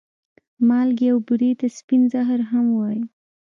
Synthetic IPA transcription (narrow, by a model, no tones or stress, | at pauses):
mɑlɡewbuɾit̪aspinzaɦɾɦamwai